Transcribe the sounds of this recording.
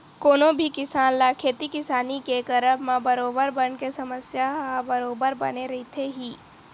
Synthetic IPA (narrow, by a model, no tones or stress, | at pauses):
koːnobʱikɪsaːnlaːkʰeːt̪ikɪsaːnikekɐɾəmãbɐɾoːbəɾbənkesɐməsjaɦabɐɾoːbəɾbɐ̰neɾɐɦit̪ʰeɦiː